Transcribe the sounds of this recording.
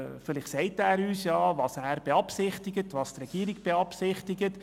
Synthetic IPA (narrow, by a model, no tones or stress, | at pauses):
fɪlɪχtsɛɪtæːɾyːsjɑːvɑːsæːɾb̥eɑpsɪχtɪɡətʋɑːst̪rɛɡ̥iːɾɪɡb̥eɑpsɪχtɪɡət